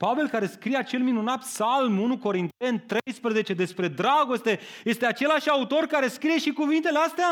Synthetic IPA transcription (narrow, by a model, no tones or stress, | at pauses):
pave̞lkaɾe̞skɾijeat͡ʃe̞lminunat̪psalmunuko̞ɾint̪e̞nt̪ɾe̞jspɾəze̞t͡ʃe̞d̪e̞spɾe̞d̪ɾaɡo̞st̪e̞je̞st̪e̞at͡ʃe̞laʃʲaut̪o̞rkaɾe̞skɾije̞ʃikuvint̪e̞least̪ea